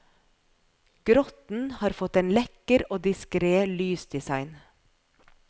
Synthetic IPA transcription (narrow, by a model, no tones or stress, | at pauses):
ɡ̥ɾɔt̪n̩hɑːɾfɔt̪eːnlɛkəɾoːd̪ɪskɾeːlyːsd̪ɪsɑɪn